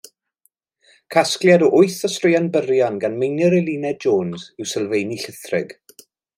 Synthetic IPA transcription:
kʰasklˠjadɔʔʊɨθəstrɪjanbərjanɡanmejnəɾɛlˠiːnɛd͡ʒoːnzɪwsəlˠvejniɬəθrɪɡ̥

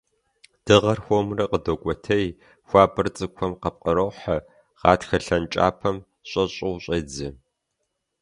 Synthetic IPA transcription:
d̥ɨʁɐrxʷomrɐqədokʷʼɔtʰɐj | xʷaːbɨrt͡sʼɨkʷʰɔmqɐp̚qʼəɾɐwħɐ | ʁ̥ɑːtxɐɬɐnt͡ʃʼa̰ːpʰɐm | ɕʷʼɐɕʼɨwɕʼɐd͡zɐ

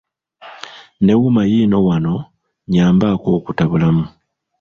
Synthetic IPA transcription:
ne̞wumajiːno̞wano̞ | ɲaːmbako̞ːkutaβulamu

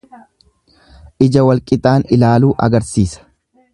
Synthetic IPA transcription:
ʔɪd͡ʒɐwɐlkʼɪt̪ʼaːnɪlaːluːʔɐ̰ɡɐɾsiːsɐ̥

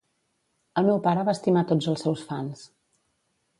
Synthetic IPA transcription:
əlˠmɛwpaɾəβaəst̪imat̪od͡zəlˠsːɛwsfans

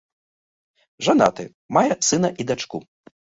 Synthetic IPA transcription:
ʐana̰t̪ɨ | majɛsɨnɐʔid̪at͡ʂkṵ

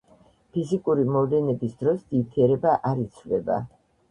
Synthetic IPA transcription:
pʰizikʼuɾimɔvlɛnɛbisd̪ɾɔsd̪̥it̪ʰiɛɾɛbaʔaɾit̪sʰlɛba̰

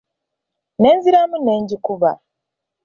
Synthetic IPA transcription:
ne̞ːnziɾamune̞ːɲɟikuβa̰

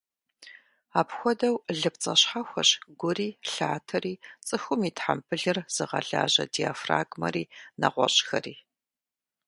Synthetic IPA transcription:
aːpxʷɔdɐwɮɨpt͡sʼɐɕħaxʷɐɕɡʷʊriːɬaːtʰɐriːt͡sʼɨxʊmiːtħampʰɨɮɨrz̥ɨʁɐ̰ɮa̰ːʑɐ̰dijafra̰ːɡmɐ̰ɾiːnɐ̰ʁʷɔ̰ɕʼxɐriː

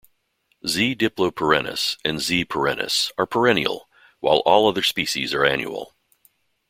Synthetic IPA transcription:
zidɪplˠoʊpʰə˞ɛnɨ̰sɨ̃nzipʰə˞ɛ̃nɨ̰sə˞pʰə˞ɛnḭl̩ˠ | waɪlˠʔɔlˠʌðə˞spiʃḭzə˞æ̃njṵl̩ˠ

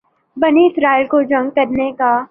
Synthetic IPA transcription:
bɐniɪsɾaːɪlkod͡ʒɐ̃ŋɡkɐɾneka

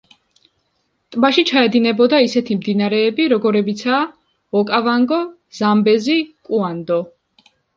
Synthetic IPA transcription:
t̪ʼmaʃit͡ʃʰaɛd̪inɛbɔd̪aisɛt̪ʰimd̪inaɾɛːbiɾɔɡɔɾɛbit̪sʰaː | ɔkʼavaŋɡɔ | z̥ambɛzikʼuand̪ɔ

